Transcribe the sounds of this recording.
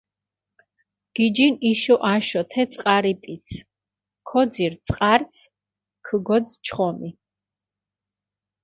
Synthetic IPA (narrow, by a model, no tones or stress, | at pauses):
ɡ̥id͡ʒiniʃɔʔaʃɔt̪ʰɛt̪sʼqʼaɾipʼit̪sʰ | kʰɔd̪ziɾt̪sʼqʼaɾt̪sʰ | kʰəɡɔd̪t͡ʃʰχɔmi